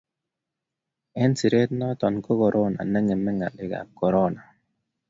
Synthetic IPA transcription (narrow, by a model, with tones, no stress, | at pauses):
ɛ˦nsi˨ɾe˦tnɔ˦tɔ˨nko˦ko˨ɾʔo˦na̰˨nɛ˦ŋɛ˨mːɛ˦ŋa̰˨lɪ˦ka̰˨p̚ko˨ɾo˦na˨